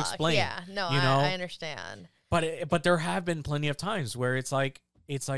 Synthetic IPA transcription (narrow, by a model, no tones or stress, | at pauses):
ksplẽɪ̃ænnojɨnoʊʌ̃ndə˞stæ̰̃n̥ | b̥ʌɾb̥ʌt̪̚ðə˞ɨvbɨ̃npʰl̥ɛ̃ñiʌv̥tʰãɪ̃mzwə˞ɨtslaɪk | ɪtslaɪ